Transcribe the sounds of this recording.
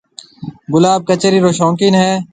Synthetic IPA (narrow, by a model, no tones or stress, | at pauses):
ɡʊlaːb̚kət͡ʃəɾiɾoːʃɔ̃ːkɪnɦɛː